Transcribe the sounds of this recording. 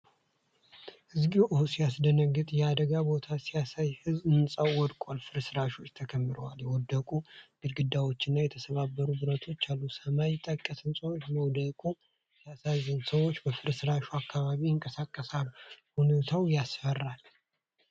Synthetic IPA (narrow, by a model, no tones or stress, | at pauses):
hɨzɡiwʔɨhosijasd̪ənəɡɨt̪ʼjɛad̪əɡabo̞t̪ʰasijasajhɨzɨnsʼəwwɔd̪kʼolfɨɾsɨɾaʃo̞t͡ʃːt̪ʰəkʰəmːɨɾəwaljɛwɔd̪ːəkʼuɡ̥ɨd̪ɡɨd̪ːawo̞t͡ʃːɪnːajɛt̪ʰəsəβabːəɾubɨɾət̪ʰo̞t͡ʃːalːusəmajɪt̪ʼːəkʼːəsɨnsʼəwot͡ʃːməwd̪əkʼu | sʰasazɨnsəwo̞t͡ʃːbəfɨɾsɨɾaʃuakːaβaβiɨŋkʼəsakʼːəsalːhunot̪ʰawjasfərːal